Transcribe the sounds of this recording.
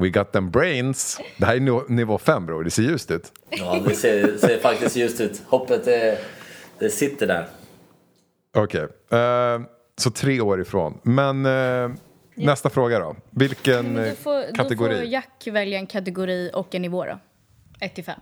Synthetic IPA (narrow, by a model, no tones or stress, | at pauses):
wɪɡɑt̪̚ðɛmbɾeɪnsd̪ɛhæːɾnɪvoːfɛmːbɾuːd̪ɛseːɾjʉ̟ːst̪ʉ̟ːt̪ | ɔd̪ɛseːseːɾfak̚t̪ɪskt̪jʉ̟ːst̪ʉ̟ːt̪hɔpːət̪̚d̪ɛ | d̪̥ɛsɪt̪ːəɖæ̰ːɾ | ɔkʰej | sɔt̪ʰɾeːoːɾɪfɾo̰ːnmɛn | nɛst̪afɾoːɡad̪ɔ̰vɪlkənkʰat̪ɛɡʊɾiːjakːvɛljaɛnkʰat̪ɛɡʊɾiːɔkːɛnːɪvoːɾɔ̰ | ɛt̪ːɪfɛ̰mː